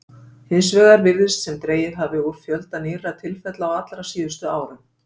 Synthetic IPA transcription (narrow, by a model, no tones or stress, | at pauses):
hɪns̬vɛːɣaɾvɪɾðɪst̪sɛmt̪ɾeːjɪðɦavɪuɾfjœlt̪anɪːɾat̪ʰɪlfɛt̪laawat̪lɾasiːðʏst̪ʏaːwɾʏm